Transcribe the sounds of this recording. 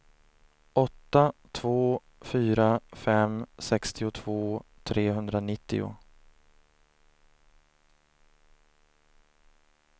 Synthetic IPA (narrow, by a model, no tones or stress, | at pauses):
ʔɔt̪ːat̪ʰvoː | fyːɾafɛmsɛkst̪ɪʊt̪ʰv̥oːt̪ʰɾeːɦɵnd̪ɾanɪt̪ːɪ̰ʊ̰